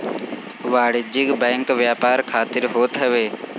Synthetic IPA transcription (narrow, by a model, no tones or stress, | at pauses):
ʋaːɽɪd͡ʒɪɡbɛ̃ːŋkʋjaːpaːɾkʰaːt̪ɪɾɦoːt̪ɦəʋeː